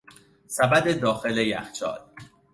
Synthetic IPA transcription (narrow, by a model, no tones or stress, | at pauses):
sæbæd̪ed̪ɒːxe̞lejæ̰xt͡ʃʰɒ̰ːl